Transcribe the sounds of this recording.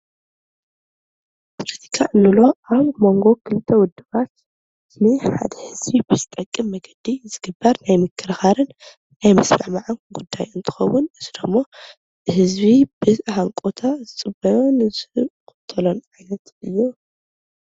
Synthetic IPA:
pʰolɐt̪ʰi̥kʰaʔɨnulo̞ʔaβmo̞ŋɡo̞kʰɨlɨt̪ʰːɐwʊd̪ːɨβat̪ | nɨħa̰d̪ɐhɨzβibɨzɨt̪ʼɐkʼːɨmːɐɡɐd̪izɨɡɨbːɐɾnajmɨkʰːɨɾxaɾɨnː | ajmɐsmaʕmaʕɨnɡud̪ːa̰jɨnt̪ʰɨ̥xɐwːʊnɨzʰɨd̪ɐmːo̞ | ɨɦɨzβibɨhaŋkʼot̪ʰazɨt͡sʼɨbɐnɨz̥ɨkʊ̥t̪ʰːɐlonʕajnɐt̪ɨjːo

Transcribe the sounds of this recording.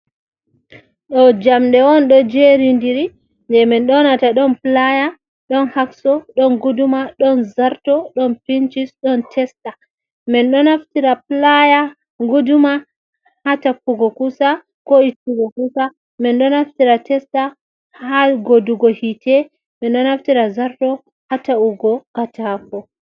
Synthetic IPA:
ɗɔd͡ʒamɗɛwɔnɗɔd͡ʒeɾindiɾi | ndɛmɛnɗɔnataɗɔnplaja | ɗɔnhaksɔɗɔnɡudumaɗɔnzaɾtɔɗɔnpint͡ʃisɗɔntʰɛsta | mɛnɗɔnaftiɾaplaja | ɡuduma | hatakuɡɔkusa | koitːuɡɔkusa | mɛnɗɔnaftiɾatɛsta | haɡoduɡɔhitɛ | mɛnɗɔnaftiɾazaɾtɔ | hatauɡɔkatafɔ

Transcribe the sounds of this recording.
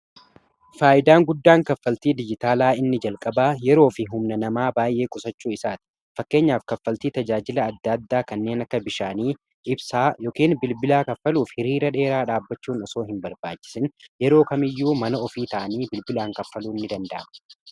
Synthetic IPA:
faːʔɪd̪aːŋɡʊd̪ːaːŋkɐfːɐlt̪iːd̪ɪd͡ʒɪt̪aːlaːɪnːɪd͡ʒɐlkʼɐbaːjɛɾo̞ːfɪɦʊmnɐnɐmaːbaːjʔe̞ːkʼʊsɐt͡ʃːuːɪsaːt̪ɪ̥ | fɐkːe̞ːɲːaːfkɐfːɐlt̪iːt̪ɐd͡ʒaːd͡ʒɪlɐːd̪ːɐd̪ːaːkɐnːe̞ːnɐkːɐbɪʃaːniː | ɪbsaːjoːkiːnbɪlbɪlaːkɐfːɐluːfhɪɾiːɾɐᶑe̞ːɾaːᶑaːbːɐt͡ʃːuːnɔso̞ːɦɪmbɐɾba̰ːt͡ʃːɪ̥sɪnjɛɾo̞ːkɐmɪjːuːmɐnɐɔfiːt̪ɐʔɐniːbɪlbɪlaːŋkɐfːɐluːɪnːɪd̪ɐnd̪ɐʔɐm

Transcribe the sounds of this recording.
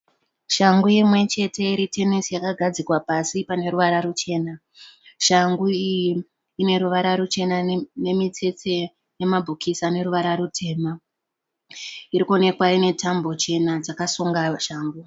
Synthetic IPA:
ʃaŋɡujimwe̞t͡ʃe̞te̞iɾitʰe̞nisijakaɡʱad͡zikwapasipane̞ɾuʋaɾarut͡ʃe̞ːna | ʃaŋɡuiji | ine̞ɾuʋaɾaɾut͡ʃe̞nane̞mit͡se̞t͡se̞ | jemabʱukʰisane̞ɾuʋaɾaɾutʰe̞ːma | iɾikune̞kwaine̞tʰambo̞t͡ʃe̞nad͡zakasuŋɡaʃaːŋɡu

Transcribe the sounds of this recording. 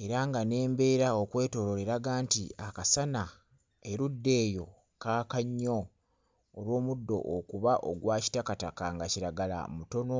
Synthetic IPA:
e̞ɾaŋɡane̞ːmbe̞ːɾaokwe̞ːto̞lo̞le̞ɾaɡaːntiakasana | e̞ɾudːe̞ːjo̞ | kaːkaɲːo̞ː | lwo̞ːmudːo̞̰ʔːkuβaʔo̰ɡwaːci̥takatakaŋɡaciɾaɡala̰muto̞no̞

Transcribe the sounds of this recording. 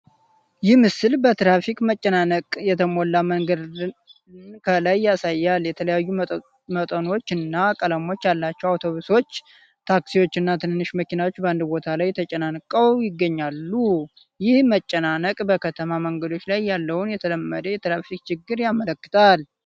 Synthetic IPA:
jɪhmɨsɨlbət̪ɾafikmət͡ʃʼːənanəkʼjɛt̪ʰəmolːaməŋɡəd̪ | nkʰəlajːasajːalːjɛt̪ʰələjajːu | mət̪ʼəno̞t͡ʃːɨnːakʼələmo̞t͡ʃːjalːat͡ʃːɛwawt̪ʰo̞βuso̞t͡ʃː | t̪ʰaksiwo̞t͡ʃːɨnːat̪ʰɨnɨnːɨʃməkinawot͡ʃːbəand̪bo̞t̪ʰalajt̪ʰət͡ʃʼənankʼəwjɪɡːəɲːalːu | jɪhmət͡ʃʼːənanəkʼbəkʰət̪ʰəmaməŋɡəd̪o̞t͡ʃːlajːalːəwunjɛt̪ʰələmːəd̪əjɛt̪ɾafik̚ʼt͡ʃɪɡːɨɾjamələkːɨ̥t̪ʰal

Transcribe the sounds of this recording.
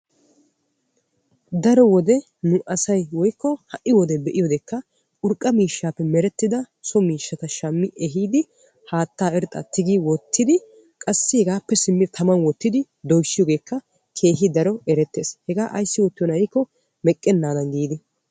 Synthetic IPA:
d̪ɐɾɔwɔd̪ɛ | nʊʔɐsɐjwɔjkːɔhɐʔɪwɔd̪ɛbɛʔɪjɔd̪ɛkːɐ | ʔʊɾkʼːɐmiːʃːaːpːɛmɛɾɛt̪ːɪd̪ɐ | sɔmiːʃːɐt̪ɐʃɐmːɪʔɛɦiːd̪ɪ | haːt̪ːaːɛɾt̪ʼːɐ̰t̪ɪɡiwɔt̪ːɪd̪ɪ | kʼɐsːɪhɛɡaːpːɛsɪmːɪt̪ʰɐmɐnwɔt̪ːɪd̪ɪ | d̪ɔjsːɪjɔːɡe̞ːkːɐ | kʰe̞ːɦɪd̪ɐɾɔɛɾɛt̪ːe̞ːshɛɡaːʔɐ̰jsːɪwɔt̪ːɪjɔnɐɪkːɔ | mɛkʼːɛnːaːd̪ɐnɡiːd̪ɪ

